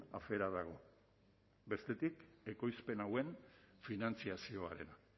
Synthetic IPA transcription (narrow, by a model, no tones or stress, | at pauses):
a̰fe̞ɾaðaɣ̞o̞ | be̞st̪e̞t̪ike̞ko̞jspe̞nawe̞nfinant͡siasio̞aɾe̞̰na